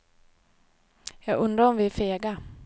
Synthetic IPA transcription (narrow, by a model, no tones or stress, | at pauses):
jɑːɡɵnd̪ɾaɔmvɪæfeːɡa